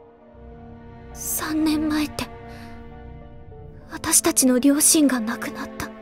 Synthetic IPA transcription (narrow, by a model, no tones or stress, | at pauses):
sãnːẽ̞mmaet̪ːe̞ | βat̪aɕi̥t̪at͡ɕino̞ɾʲo̞ːɕĩŋɡanakɯ̟nat̪ːḁ